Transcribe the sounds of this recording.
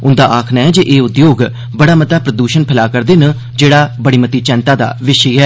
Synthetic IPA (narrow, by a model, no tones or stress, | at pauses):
ʊnd̪aːʔaːkʰnaːɛːd͡ʒeːʔeːʊd̪joːɡ | bəɽaːmət̪aːpɾəd̪uːʃənpʰɪlaːkəɾd̪eːnə | d͡ʒeːɽaːbəɽiːmət̪iːt͡ʃɛ̃ːnt̪aːd̪a̰ːʋɪʃiːɦɛː